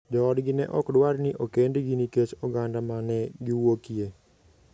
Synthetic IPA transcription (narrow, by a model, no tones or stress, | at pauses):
d͡ʒɔːdɡinɛʔɔkdʊwarniʔokendiɡiniket͡ʃɔɡandamanɛɡiwokie